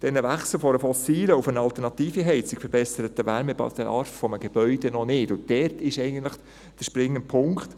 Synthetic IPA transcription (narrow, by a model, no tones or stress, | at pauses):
d̥ɛnəvæχsləfɔɾəfɔsiːləufənɑlt̪əɾnɑt̪iːfiɦɛɪt͡sɪkfəɾb̥ɛsəɾətəʋæɾməbɑ̰dəɑɾffɔməɡ̥eb̥œʏd̥ɛnɔnɪdʊntdɛrtɪʃɛɪɡən̩t̪lɪχ | d̥əʃpɾɪŋːənpʰʊŋkχt̪